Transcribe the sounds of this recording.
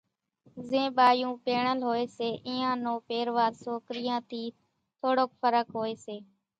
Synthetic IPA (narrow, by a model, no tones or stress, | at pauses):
zẽːɓaːjũːpeːɳəlɦoːeːseːʔɪ̃ːãːnõːpeːɾʋaːɾsoːkɾijãːt̪ʰiː | t̪ʰoːɽoːkfʰəɾəkɦoːeːseː